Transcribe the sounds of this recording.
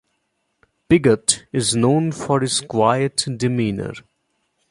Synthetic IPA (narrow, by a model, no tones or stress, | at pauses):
pɪɡətɪznõːnfɔɾɪzkwaɪəʈɖɪmĩːnə̰ɾ